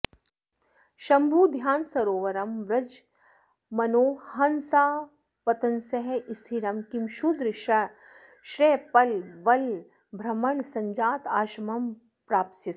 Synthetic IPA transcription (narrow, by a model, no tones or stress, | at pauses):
ʃɐmbʱuːd̪ʱjaːnsɐɾoːʋɐɾɐmʋɾɐd͡ʒ | mɐnoːɦɐnsaː | ʋɐt̪ɐnsɐɦeʔist̪ʰiɾɐmkimʃud̪ɾʃɐ | ʃɾeːpɐlʋɐl | bʱɾɐmɐɳsɐɲd͡ʒaːt̪aːʃɐmɐm | pɾaːp̚t̪sit̪